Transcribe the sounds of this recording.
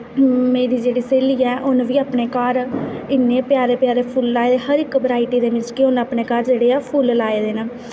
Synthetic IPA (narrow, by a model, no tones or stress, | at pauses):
mẽːɾiːd͡ʒeːɽiːseːliːɛːʔʊnʋiːaːpneːkaːɾɪnːeːpɪjaːɾeːpɪjaːɾeːpʰuːlːaːeːd̪eːhəɾɪkʋəɾaːiʈiːd̪eːʋɪ̃t͡ʃkiʊnaːpneːkaːɾd͡ʒeːɽeːaːpʰuːllaːeːd̪eːnaː